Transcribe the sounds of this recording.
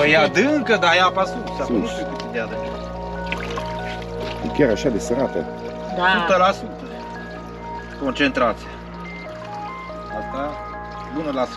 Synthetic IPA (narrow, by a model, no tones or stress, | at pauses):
əjad̪ɨɨŋkəd̪ajapasusanuʃikut̪id̪ead̪əka | fḭkʲaɾaʃad̪esəɾat̪ə̰ | masut̪əlasut̪ə | kont͡ʃent̪ɾat̪sija | ast̪a | bunəlas